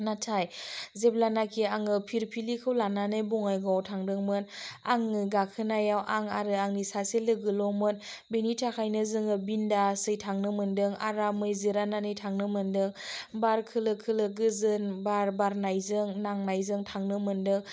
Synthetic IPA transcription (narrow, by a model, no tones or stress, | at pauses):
natʰajzeb̚lanakʰiaŋɯpʰiɾpʰilikʰɯwlananɯjbuŋajɡawtʰaŋdɯŋmɯnaŋɯɡakʰɯnajawʔaŋaɾɯaŋnisaselɯɡɯlɔmɯn | benitʰakʰajnɯzɯŋɯbindasɯjtʰaŋnɯmɯndɯŋa̰ɾamɯjziɾananɯjtʰaŋnɯmɯndɯŋbaɾkʰɯlɯkʰɯlɯɡɯzɯnbaɾbaɾnajzɯŋnaŋnajzɯŋtʰaŋnɯmɯndɯŋ